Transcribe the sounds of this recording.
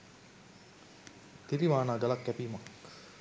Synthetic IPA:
t̪iɾiʋaːnaːɡəlakːæpiːmak

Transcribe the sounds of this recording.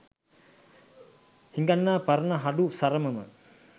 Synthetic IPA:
hiŋɡanːaːpaɾənəɦaɖusaɾəməmə̰

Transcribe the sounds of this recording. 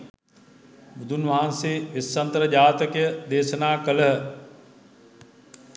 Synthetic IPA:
bud̪ʱunʋaːnsiʋɪsːɐnt̪ɾɐd͡ʒaːt̪ɐkjəd̪eːʃɐnaːkɐləɦə

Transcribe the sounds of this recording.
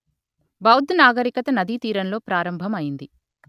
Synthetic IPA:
bɐwd̪ʱnaːɡɐɾikɐt̪ɐnɐd̪it̪iːɾɐnlo̞ːpɾaːɾɐmbʱɐmɐjind̪i

